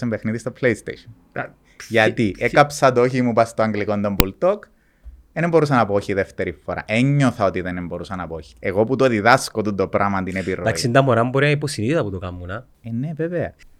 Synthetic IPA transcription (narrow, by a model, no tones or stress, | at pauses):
embe̞xniðist̪opleist̪ḛʃon | ʝɐt̪iʔekɐpsɐt̪oçimupɐst̪oɐŋɡliko̞nd̪ombult̪ok | enembo̞ɾus̬ɐnɐpooçiðe̞ft̪e̞ɾifːoɾɐ̰ʔeɲːoθɐo̞t̪iðenembo̞ɾusɐnɐpooçi̥eɣo̞put̪o̞ðiðɐskot̪und̪opɾʔɐmɐnt̪inepiɾoɐsisind̪ɐmoɾɐmuboɾinɐiposiniit̪ɐput̪okɐmːunɐ | eneveveɐ